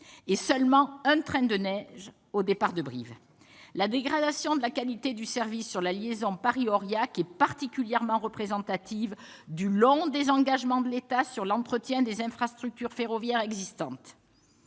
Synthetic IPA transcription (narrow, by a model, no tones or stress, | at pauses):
esœlmɑ̃ɛ̃t̪χɛ̃d̪ənɛʒ | od̪epaʁd̪əbʁḭv | lad̪eɡʁad̪asjɔ̃d̪əlakalit̪ed̪ysɛʁvisːyʁlaljezɔ̃paʁiɔʁjakɛpaʁt̪ikʲyljɛʁmɑ̃ʁəpχezɑ̃t̪at̪iv | d̪ylɔ̃d̪ezɑ̃ɡaʒmɑ̃d̪əlet̪asyʁlɑ̃t̪χət̪jɛ̃d̪ezɛ̃fχast̪χyk̚t̪yʁfeʁɔvjɛʁɛɡzist̪ɑ̃t̪